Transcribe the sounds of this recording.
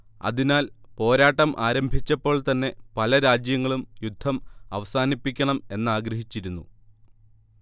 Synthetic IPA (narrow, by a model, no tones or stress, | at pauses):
ɐ̰ðinaːlpo̞ːɾaːʈːɐmʔaːɾɐmbʱit͡ɕːɐpːo̞ːɭt̪ɐnːe̞pɐlɐɾaːd͡ʑjɐŋːɐɭumjud̪ʱːɐmɐ̰ʋɐsaːnipːikʲːɐɳɐme̞nːaːɡɾɐɦit͡ɕːiɾunːṵ